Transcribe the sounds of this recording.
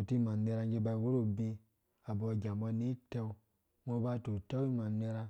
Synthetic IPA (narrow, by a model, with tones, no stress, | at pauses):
o˨ti˦ma˨ne˧ɾa˧ŋɡe˧ba˧wo˦ɾo˦bi˧ | a˨bɔ˧˨ɡʲa˨mbɔ˧ni˦te˧w | mo˧˦ba˧tu˨ta˦wi˦ma˨ne˧ɾa˧